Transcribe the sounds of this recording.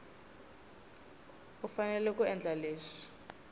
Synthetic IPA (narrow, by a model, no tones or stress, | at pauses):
ufanɛlɛk̬ʼuɛnd͡ɮʱaleːʂi̥